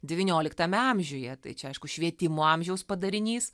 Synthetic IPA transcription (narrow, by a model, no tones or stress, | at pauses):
d̪ʲɛʋʲiːnʲoːlʲɪkt̪ɐmʲɛɐmʲʒʲoːjɛt̪ɐ̰ɪt͡ʃʲɛɐɪʃkʊʃʲʋʲiɛt̪ʲɪmoːɐmʲʒʲɛʊspɐd̪ɐɾʲɪnʲiːs